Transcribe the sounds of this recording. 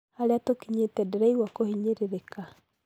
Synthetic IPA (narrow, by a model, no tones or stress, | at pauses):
haɾeatokiɲetɛdɛɾɛiɣwakohiɲeɾeɾeka